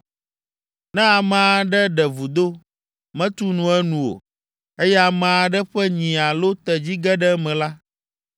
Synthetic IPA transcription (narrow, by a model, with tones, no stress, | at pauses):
nɛ̃˦a˨mɛ̃˨˦a˦ɖɛ˦ɖɛ˨vu˨d̪o˦ | mɛ̃˦t̪u˦nũ˨ɛ˦nũ˨wo̰˨ | e˦jɛ˦a˨mã˨a˨ɖɛ˦ɸɛ˦ɲĩ˨a˨lo˦t̪ɛ˨d͡ʑi˦ɡɛ˦ɖɛ˦mɛ̃˨la˦